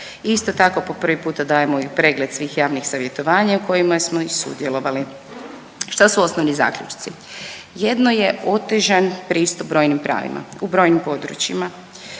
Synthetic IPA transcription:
ist̪ot̪ako̞po̞pr̩ʋipuːt̪ad̪aːjemoipɾe̞ːɡle̞d̪̥sʋiːxjaːʋnixsaʋje̞t̪o̞ʋaːɲauko̞jimasmo̞isṵd̪jelo̞ʋali | ʃt̪asuo̞snoʋniza̰ːkʎut͡ʃi̥t̪i | je̞d̪noje̞o̞t̪e̞ʒanpɾiːst̪ubɾo̞jnimpɾʔa̰ːʋḭmʔa̰ubɾo̞jnimpo̞d̪ɾṵt͡ɕima

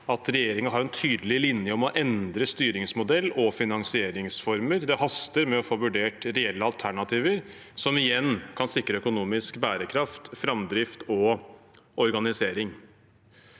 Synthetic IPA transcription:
ɑt̪ɾɛjeːɾɪŋɑɦɑɾɛnt̪ʰyːd̪əlɪlɪnjəɔmɔʔɛnd̪ɾəst̪yːɾɪŋsmʊd̪ɛlːɔfɪnɑŋsɪeːɾɪŋsfɔɾməɾd̪ɛhɑst̪əɾmɛɔfoːʋʉɖeːʈɾɛɛlːəɑlt̪ʰæɳɑt̪ʰiːʋəɾ | sɔmɪjɛnːkʰɑnsɪkɾəœkʊnuːmɪskbæːɾəkʰɾɑft̪fɾɑmd̪ɾɪft̪ɔ | ɔɾɡɑnɪseːɾɪŋ

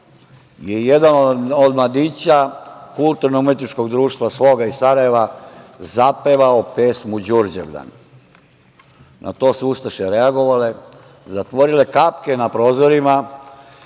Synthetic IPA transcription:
jejed̪anood̪mlad̪iːt͡ɕakulˠt̪uɾnoɡumet̪it͡ʃko̞ɡd̪ɾuːʃt̪ʋasʋo̞ːɡaisaɾaje̞ʋazapeʋaopesmud͡ʑuɾd͡ʑḛʋʎa̰n | nʔa̰t̪o̞ːsust̪aʃeɾeaɡo̞ʋale̞ | zat̪ʋo̞ɾile̞kapkenapɾo̞ːzo̞ɾima

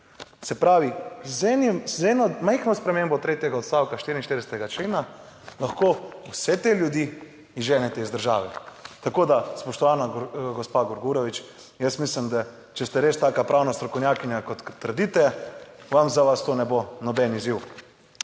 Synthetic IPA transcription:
sɛpɾaːʋizɛnzɛːnɔmɛjxnɔspɾɛmeːmbɔt̪ɾeːt̪jɛɡaɔt̪st̪aːwkaʃt̪iːɾinʃt̪eɾd̪ɛsɛt̪ɛɡat͡ʃleːna | laxkoːwsɛt̪eljud̪iː | iʒɛːnɛt̪ɛizd̪əɾʒa̰ːʋɛt̪akoːd̪aspɔʃt̪ɔʋaːnaɡɔspaɡɔɾɡuːɾɔʋit͡ʃ | jəsmislimd̪a | t͡ʃɛst̪ɛɾest̪aːkapɾʔaːwnast̪ɾɔkownʲjaːkinjakɔt̪ːəɾd̪it̪ɛʋamzaʋast̪oːnɛbonɔbɛniziw

